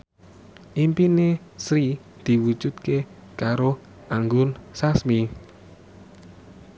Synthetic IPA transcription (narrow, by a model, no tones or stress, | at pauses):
ʔimpinesɾi | d̪̥i̤wud̥ʒ̥ṳt̪̚ke | kaɾo | ʔaŋɡʊnsasmi